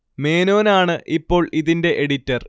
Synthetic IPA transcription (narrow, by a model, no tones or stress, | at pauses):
me̞ːno̞ːnaːɳɨʔipːo̞ːɭiðinde̞ʔeɽitːɐr